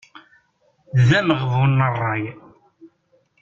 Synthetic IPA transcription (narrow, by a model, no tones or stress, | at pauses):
ðænəʁðˤʊnːərˤːɑj